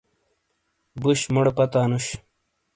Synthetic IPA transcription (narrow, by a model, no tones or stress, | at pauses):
buɕmuɽpɐt̪aːnuɕ